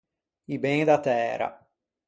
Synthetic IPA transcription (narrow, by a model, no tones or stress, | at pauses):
ibed̪at̪ɛːɾa̰